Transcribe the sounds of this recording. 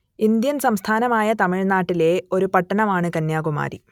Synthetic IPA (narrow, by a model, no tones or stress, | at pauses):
ind̪jɐnsɐmst̪ʰaːnɐmaːjɐt̪ɐmiɻnaːʈːile̞o̞ɾupɐʈːɐnɐmaːɳɨkɐnjaːɣuma̰ːɾḭ